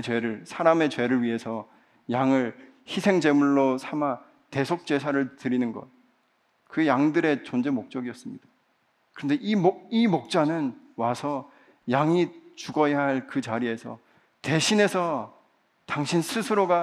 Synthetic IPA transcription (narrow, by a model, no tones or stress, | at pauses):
t͡ɕwe̞ɾɯɭsʰaɾame̞t͡ɕwe̞ɾɯɭɥiɦe̞sʰʌ | jaŋɯɭ | çisʰe̞ŋd͡ʑe̞muɭːosʰama | te̞sʰok̚t͡ɕ͈e̞sʰaɾɯɭtɯɾinɯnɡʌ̰ | kɯjaŋdɯɾe̞t͡ɕond͡ʑe̞mok̚t͡ɕ͈ʌɡiʌs͈ɯmɲid̥ḁ | kɯɾʌnde̞ʔimoimok̚t͡ɕ͈anɯn | wasʰʌ | jaŋit͡ɕuɡʌjaɦaɭkɯt͡ɕaɾie̞sʰʌ̰ | te̞ɕʰine̞sʰʌ | taŋɕʰinsʰɯsʰɯɾoɡa